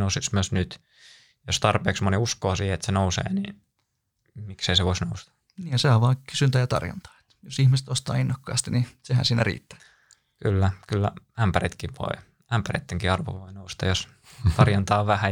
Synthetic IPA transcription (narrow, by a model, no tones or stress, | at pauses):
nousismyøsnyt̪ | jost̪ɑrpeːksmoniuskoːsiːhet̪senousḛːnḭː | mikseiseʋoisnoust̪ɑ̥ | niːjɑseɑʋʋɑːkysynt̪æːjɑt̪ɑ̰rjɑ̰nt̪ɑ̥ːe̥t̪josihmise̥t̪ost̪ɑ̰ːinːɑkːɑ̰ːst̪inisehæ̰nsiːnærḭːt̪ːæ̥ | kylːækylːæ̰æmpærḭt̪kiʋʋo̰i | æmpærḛt̪ːeŋkiɑrʋo̰ʋoinoust̪ɑjos | t̪ɑrjɑnt̪ɑːʋʋæhæ